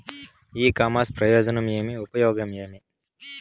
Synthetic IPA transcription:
iːkaːmaːspɾɐjɔːd͡ʒɐnɐmjeːmiupɐjɔːɡɐmjeːmi

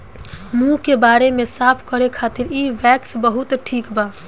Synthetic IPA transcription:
mũkebaːɾemesaːpʰkəɾekʰat̪iɾiʋɛksbəɦut̪ʈʰiːkba

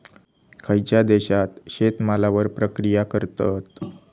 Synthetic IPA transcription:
kʰajt͡ɕjad̪eɕat̪ɕet̪malaʋəɾpɾəkɾijakəɾt̪ət̪

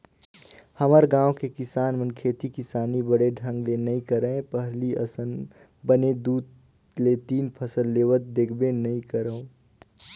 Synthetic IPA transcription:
həməɾɡãːwõkekɪsaːnmənkʰeːt̪ikɪsaːnibəɽeɖʱə̃ŋɡlenɐɦĩkəɾəẽpəɦliə̰sən | bəned̪uːd̪ | let̪iːnpʰəsəlːeːʋət̪̚d̪eːkʰbenɐɦĩkəɾəõ

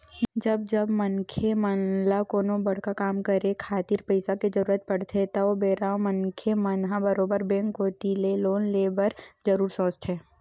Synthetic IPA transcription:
d͡ʒɐb̚d͡ʒɐbmənkʰemənlakoːnobɐɽ̤kakaːmkəɾẽkʰaːt̪iɾpəɪsaked͡ʒɐɾuːɾət̪̚pɐɽ̤t̪ʰet̪ɐobeːɾaːõmənkʰemənɦãbəɾoːbəɾbɛ̃ŋkɦot̪ileloːnleːbəɾd͡ʒəɾuːɾsõːsʈ̪ʰɦɛː

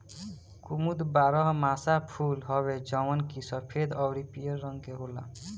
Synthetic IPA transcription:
kumud̪baɾɔɦmasapʰulɦɔβed͡ʒɔwɔnkisɔpʰed̪ɔwɾipijɔɾɾɔŋkeɦola̰

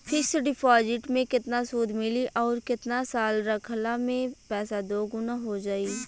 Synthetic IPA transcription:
pʰɪɾseɖɪpʰɔːd͡ʒɪʈmẽkɪt̪nasuːd̪ʱmɪliʔɔːɾkɪt̪nasaːlɾɐkʰlamẽpɛːsad̪oːɡʊnaɦod͡ʒaːiː

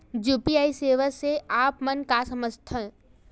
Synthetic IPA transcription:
juːpiaːiseːʋəseaːpmənkasɐməst̪ʰə

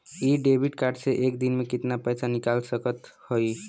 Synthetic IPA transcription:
iɖebʱiʈkaɾɖseʔekd̪inmekit̪napəjsʰanikalsəkət̪hoj

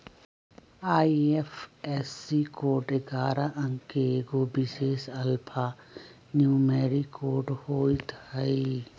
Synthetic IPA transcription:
aːiefesikoːʈɪɡaːɾaʔɐ̃ŋkeɡoːbɪʃeːʃɐlpʰa | njuːmeːɾikʰoːɾɖhoːit̪ʰai

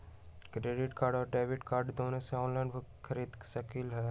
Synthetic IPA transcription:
kɾeːɖɪʈkaːɾɖɔːɾɖeːʋɪʈkaːɾɖd̪oːnõseɔ̃ːnlɛ̃ɳɖbʱkʰɐɾiːd̪ʃɐkilɦɛː

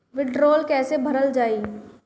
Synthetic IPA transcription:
ʋɪɖɾoːlkɛːsebʱɐɾəld͡ʒaːiː

